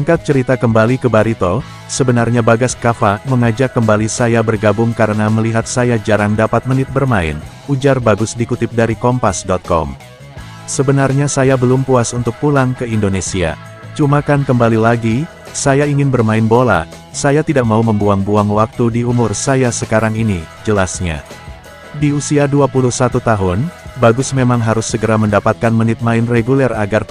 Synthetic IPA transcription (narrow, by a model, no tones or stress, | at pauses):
əŋkat̪̚t͡ʃəɾit̪akəmbalikəbaɾit̪o | səbənarɲabaɡaskafaməŋad͡ʒakːəmbalisajabərɡabʊŋkaɾənaməliɦat̪̚sajad͡ʒaɾaŋdapat̪̚mənɪt̪̚bərmaɪ̰n | ud͡ʒarbaɡʊsdikut̪ɪp̚daɾikɔmpasdɔt̪̚kɔ̰m | səbənarɲasajabəlʊmpuasunt̪ʊk̚pulaŋkəindonesia̰ | t͡ʃumakankəmbalilaɡi | sajaiŋɪnbərmaɪnbola̰ | sajat̪idaʔ̚mauməmbuaŋbuaŋwak̚t̪udiumʊrsajasəkaɾaŋinid͡ʒəlasɲa̰ | diusiaduapuluhsat̪ut̪aɦʊnbaɡʊsmemaŋɦaɾʊsːəɡəɾaməndapat̪̚kanmənɪt̪̚maɪnreɡulɛraɡar